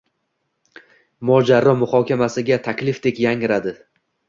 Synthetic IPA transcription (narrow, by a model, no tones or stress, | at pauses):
mɒd͡ʒaɾɒmʊhɒkʲʰamasɪɡʲat̪ʰakʲlɪfd̪e̞kʲjaŋɪɾad̪ɪ